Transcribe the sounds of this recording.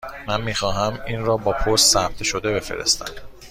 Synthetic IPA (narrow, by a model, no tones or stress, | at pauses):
mænmiːxɒːɦæmiːnɾɒːbɒːpʰoɾst̪sæp̚t̪ʰʃo̞d̪e̞be̞fe̞̰ɾḛst̪æ̰m